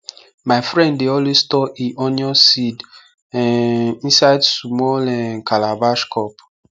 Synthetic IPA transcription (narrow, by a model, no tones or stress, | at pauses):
maɪfɾɛ̃ndːeɔlwestɔʔiʔɔnɔsid | ɛĩsaɪdsumɔlɛnkʰalabaʃkʰɔp